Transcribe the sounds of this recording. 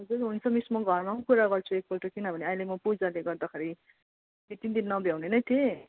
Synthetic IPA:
ɦʌd͡zuɾɦunt͡sʰʌmismʌɡʱʌrmaɦũkuɾaɡʌrt͡sʰuek̚bʌlʈʌkinʌbʱʌneajlemʌpud͡zaleɡʌrd̪akʰaɾi | bit̪ind̪innʌbʱjawnenʌjt̪ʰe

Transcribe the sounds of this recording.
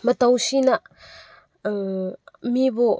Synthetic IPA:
mətawsina | mibɔ

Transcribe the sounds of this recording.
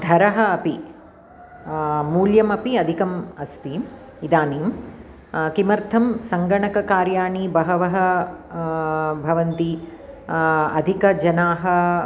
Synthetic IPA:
d̪ʱɐɾɐɦɐːpi | muːljɐmɐpiɐd̪ʱikɐmɐst̪iːm | id̪aːniːm | kimɐɾt̪ʰɐmsɐŋɡɐɳɐkɐkaːɾjaːɳibɐɦɐʋɐɦɐ | bʱɐʋɐnt̪i | ɐd̪ʱikɐd͡ʒɐnaːɦɐ̆

